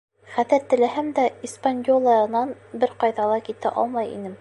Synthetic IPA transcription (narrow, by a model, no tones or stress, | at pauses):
χæðɘɾt̪ɘ̆læɦæmd̪æispanʲjolˠɑɤnɑnbɘɾqɑjðɑlˠɑkit̪æʔɒ̰lˠmɑjḭnɘm